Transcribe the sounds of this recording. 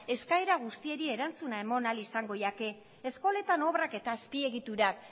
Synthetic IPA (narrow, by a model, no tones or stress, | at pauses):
e̞skaeɾaɣ̞ust̪ie̞ɾie̞ɾant͡sunae̞mo̞nalisaŋɡo̞jake̞ː | sko̞le̞t̪ano̞βrake̞t̪aespie̞ɣit̪uɾak